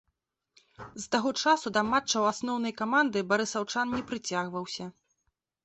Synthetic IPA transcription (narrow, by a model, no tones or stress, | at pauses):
zt̪aɣɔt͡ʂasud̪ɐmat͡ʂt͡ʂːɐwasnɔwnɐjkamand̪ɨbaɾɨsawt͡ʂannʲɛpɾɨt͡sʲaɣvɐwsʲɐ